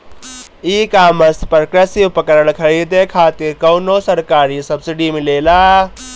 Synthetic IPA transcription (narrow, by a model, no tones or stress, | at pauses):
iːkaːmɐspɾəkɾesɪʋpəkəɾəɽkʰɐɾiːd̪ekʰaːt̪ɪɾkɐwnoːsɐɾkaːɾisɐbsɪɖimɪleːlaː